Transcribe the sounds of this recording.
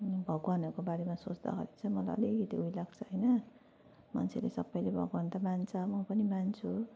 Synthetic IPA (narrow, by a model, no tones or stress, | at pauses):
bʱʌɡwanʌkobaɾemasot͡sd̪ʌ̰ɡʌ̰ɾint͡sʰʌmʌla̰ʌ̰liɡit̪eujlaɡt͡sʰʌɦʌjnʌ | ma̰nt͡sʰelesʌbːʌjlebʱʌ̰ɡwant̪amant͡sʰʌmʌpʌnimant͡sʰu